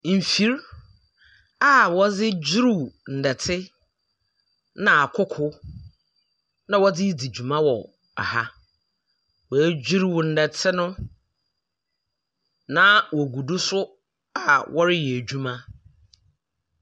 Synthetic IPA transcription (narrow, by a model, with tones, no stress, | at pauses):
m̩˨fi˨ɾ | a˨wɔ˦d͡zɪ˦d͡ʑi˦ɾu˦˨wn̩˨dɛ˨tʰɪ˦ | nã˨a˨kʰʊ˦kʰʊ˦ | nã˨wɔ˦dɪ˦di˨d͡ʑu˨mã˦wɔ˨ | a̰˨ha˦ | wɔ˨æ˦d͡ʑi˦ɾwʊ˨n̩˨dɛ˨tʰɪ˦nʊ̃˦ | nã˦wɔ˨ɡu˨dʊ˦sʊ˦ | a˨wʔɔ˦ɾɪ˦jɛ˨d͡ʑu˦mã˦